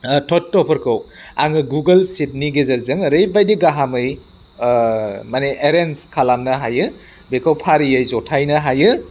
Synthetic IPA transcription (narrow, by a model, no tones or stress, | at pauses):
tʰɔt̚ːɔpʰɯɾkʰɯwa̰ŋɯɡuɡɐlsit̚niɡezɐɾzɯŋɐɾɯjbajdiɡaɦamɯj | maneeɾenskʰalamnɐɦajɯ | bekʰawpʰaɾijajzɔtʰajnɐɦajɯ